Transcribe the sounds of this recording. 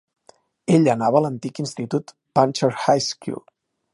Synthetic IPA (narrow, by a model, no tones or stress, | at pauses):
eʎənaβəːlənt̪ikinst̪it̪ut̪ | panʲt͡ʃəɾhajskṵlˠ